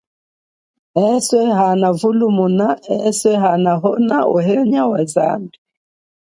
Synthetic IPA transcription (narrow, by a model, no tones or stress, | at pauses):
ɛswɛhanavulumunaɛswɛɦanaɦɔnauɦɛɲawaza̰ndi